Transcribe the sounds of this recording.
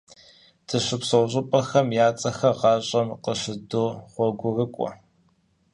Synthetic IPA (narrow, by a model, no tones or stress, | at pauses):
d̥ʰɨɕɨpsɐwɕʼɪpʼɐxɐmjaːt͡sʼɐxɐʁɑːɕʼɐmqəɕɪdoːχʷɔɡʷʊrɨkʷʼɔ̰